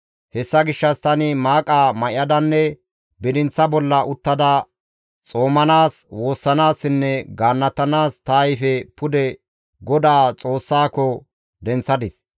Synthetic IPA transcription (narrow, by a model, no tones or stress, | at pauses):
hɛsːɐɡɪʃːɐst̪ɐnɪmaːkʼamɐʔɪɐd̪ɐnːɛ | bɪd̪ɪnt͡sːɐbɔlːɐʔʊt̪ːɐd̪ɐ | t͡sʼo̞ːmɐnaːswo̞ːsːɐnaːsːɪnːɛɡaːnːɐt̪ːɐnaːst̪ɐjfɛpʊd̪ɛ | ɡɔd̪aːt͡sʼo̞ːsːaːkɔ | d̪ɛnt͡sːɐd̪ɪs